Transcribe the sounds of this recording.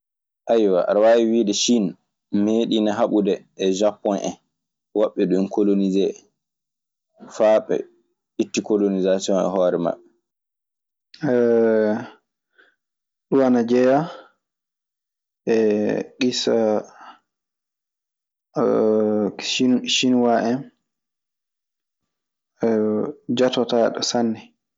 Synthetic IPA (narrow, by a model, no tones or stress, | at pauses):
ʔajwaʔaɾwawiwiːdɛʃin | meːɗinaɦaɓudɛʔːd͡ʒapːɔnʔɛ̰n | waɓːɛɗuinkolonizɛ | faːɓɛ̰ | itːikolonizasiɔnɛ̰ɦɔːɾɛma̰ɓːɛ | ɛ | ɗuwanad͡ʒɛja | ʔɛɡisa | ʃinʃinuwaʔɛn | d͡ʒatɔtaɗɔ̰sanːɛ